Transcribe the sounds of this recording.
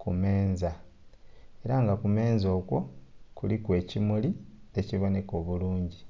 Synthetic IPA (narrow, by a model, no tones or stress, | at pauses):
kume̞ːnza | e̞ɾaŋɡakume̞ːnzo̞ːkwo̞kulikwe̞ːcimuli | eciβo̞ne̞ko̞ːβuluːɲɟi